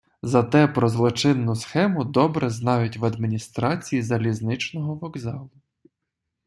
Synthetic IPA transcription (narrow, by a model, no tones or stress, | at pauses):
zɐt̪ɛpɾɔzlˠɔt͡ʃɪnːʊsxɛmʊd̪ɔbɾɛznɑjʊtʲʋɐd̪mʲinʲist̪ɾɑt͡sʲijizɐlʲiznɪt͡ʃnɔɦɔʋɔɡzɑlˠʊ